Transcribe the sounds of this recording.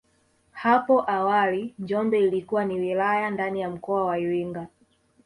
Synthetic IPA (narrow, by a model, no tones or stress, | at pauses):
hapɔʔawaliɲd͡ʒɔmbɛilikuwaniwilajandanijam̩kɔawaiɾiŋɡa